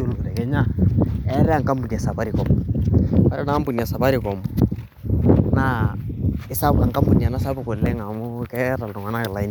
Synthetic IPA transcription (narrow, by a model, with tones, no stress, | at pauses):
o˦lku˨ɾɛ˨kɛ˦ɲa˦ɛ˦ɾɛ˦a˨ŋka˦mbu˨n˨a˨sa˨ba˦ɾi˨kɔ˨m | ba˦ɾɛ˦na˨˦mbu˨na˨sa˨pa˦ɾi˨kɔ˨mʊ˨ | na˦ | ɪ˦sa˦pa˨ŋka˦mbu˨n˨a˨na˦sa˦bʊ˨ko˨le˦ŋa˨mʊ˦kɛ˦ɾa˨ldʊ˨ŋa˨na˦kɪ˨la˨i˦n